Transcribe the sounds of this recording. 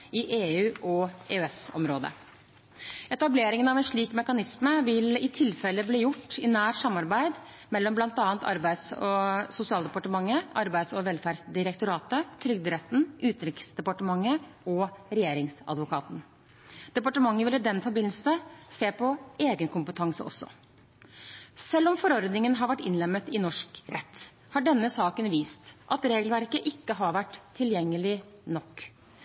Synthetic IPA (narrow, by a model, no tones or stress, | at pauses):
ɪʔeːʉːʔɔeːɛsɔ̰mɾoːd̪ə̰ | ɛt̪ɑbleːɾɪŋənɑʋɛnʂɭiːkmɛkɑnɪsməʋɪlɪt̪ʰɪlfɛlːəbliːjʊʈːɪnæːɾsɑmːɑɾbæɪd̪ | mɛlːɔmblɑnt̪ɑːənt̪ɑ̰ɾbæɪsɔsʊsɪɑːld̪ɛpɑʈəmɑŋːəʔɑɾbæɪd̪sɔʋɛlfæːɾɖsd̪ɪɾɛkt̪ʊɾɑːt̪ət̪ʰɾʏɡ̚d̪ɪɾɛt̪ːn̩ʔʉːt̪ɾɪksd̪ɛpɑʈəmɑŋːəɔɾɛjeːɾɪŋsɑ̰d̪ʋʊkʰɑːt̪n̩ | d̪̥ɛpɑʈəmɑŋːəʋɪlːɪd̪ɛnfɔɾbɪnl̩səseːpʰɔeːɡənkʰʊmpət̪ʰɑŋsə̰ʔɔ̰sːɔ̰ | sɛlːɔmfɔɾɔɾd̪nɪŋənɦɑɾʋæʈːɪnlɛmːət̪ɪnɔʂkɾɛt̪ː | hɑɖɛnːəsɑːkənʋiːst̪ʔɑt̪ɾeːɡəlʋæɾkəʔɪkːəɦɑɾʋæʈːt̪ʰːɪljɛŋːəlɪ | nɔkː